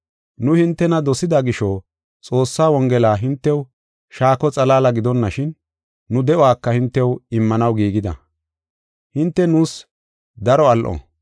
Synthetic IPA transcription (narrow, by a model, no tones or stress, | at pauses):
nʊhɪnt̪ːɛnɐd̪ɔsɪd̪aɡɪʃɔ | t͡sʼo̞ːsːaːwɔŋɡɛlaːɦɪnt̪ːɛw | ʃaːkɔt͡sʼɐlaːlɐɡɪd̪ɔnːɐʃɪnː | ʊd̪ɛʔɔwaːkːɐhɪnt̪ːɛwɪmːɐnɐwɡiːɡɪd̪ɐ̰ | hɪnt̪ːɛnuːs | d̪ɐɾɔɐlʔɔ̰ː